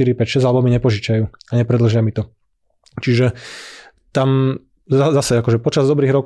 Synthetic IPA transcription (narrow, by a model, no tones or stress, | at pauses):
iɾipɛcʃɛzʲalɛbɔmiɲɛpɔʒit͡ʃajuːaɲɛpɾɛd̪l̩ʒɪamit̪ɔ | t͡ʃiʒɛ | t̪am | zazasɛakɔʒɛpɔt͡ʃazd̪ɔbɾiːɣɾɔk